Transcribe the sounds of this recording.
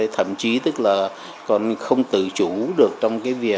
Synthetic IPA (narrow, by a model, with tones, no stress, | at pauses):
t̪ʰə̰˧˨mt͡ɕi˨˦t̪ɨ˦˥k̚laː˨˩ | kɔ˨˩nxə˧wŋ͡mt̪ɨ̰˧˨t͡ɕu˧˩ɗɨ˨˩ək̚t͡ɕɔ˧wŋ͡mkaː˨˦jvi˨˩ə